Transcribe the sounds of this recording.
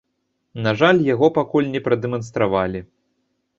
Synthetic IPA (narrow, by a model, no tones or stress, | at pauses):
naʐalʲjaɣɔpakulʲnʲɛpɾɐd̪ɛmɐnst̪ɾavalʲi